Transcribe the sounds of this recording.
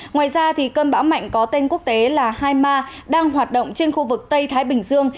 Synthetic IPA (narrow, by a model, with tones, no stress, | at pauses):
ŋwaː˨˩jzaː˧t̪ʰi˨˩kəː˧nɓa̰ː˧˥wma̰˧˨jŋ̟kɔ˨˦t̪e˧nku˦˥ək̚t̪e˨˦laː˨˩haː˧jmaː˧ɗaː˧ŋɦwaː˨˩t̚ɗə̰˧˨ŋ͡mt͡ɕe˧nxu˧vɨ˨˩k̚t̪ə˧jt̪ʰaː˨˦jɓï˨˩ŋ̟zɨ˧əŋ